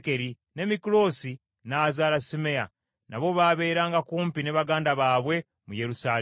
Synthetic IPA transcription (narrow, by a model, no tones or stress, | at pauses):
ke̞ɾi | ne̞mikulo̞ːsi | nazaːlasime̞ja̰ | naβo̞βaːβe̞ːɾaːŋɡakuːmpineːβaɡaːndaβaːβwe̞ | muje̞ɾusaː